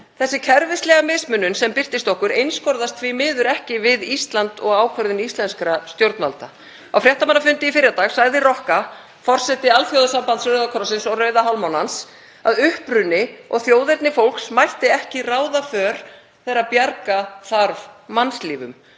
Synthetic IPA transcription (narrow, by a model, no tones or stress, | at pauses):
θɛsːɪcʰɛɾvɪst̪lɛɣamɪsmʏnːʏnsɛmpɪr̥t̪ɪst̪ɔhkʏɾejnskʰɔɾðast̪ʰviːmɪːðʏɾɛhcɪvɪðist̪lant̪ɔɣaːwkʰvœɾðɪnist̪lɛnskɾast̪jowɾt̪nalt̪a | awfɾjɛht̪amanːafʏnt̪ɪifɪɾjat̪aːɣsaɣðɪrɔhka | fɔr̥sɛt̪ɪalfjowðasampant̪sɾœɥðakʰɾɔsɪnsɔwrœːɥðaɦalmawnans | aðʏhpɾʏnːɪɔ̰ɣθjoːwðɛɾt̪nɪfowlksmajht̪ɪɛhcɪraːwðafœːɾ̥ | θɛɾapjaɾkaθaɾvmanst̪liːvʏ̰m